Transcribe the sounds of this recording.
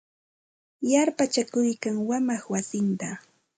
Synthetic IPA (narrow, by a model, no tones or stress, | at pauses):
jaɾpat͡ʃakʊjkaŋwamaχwasɪnt̪a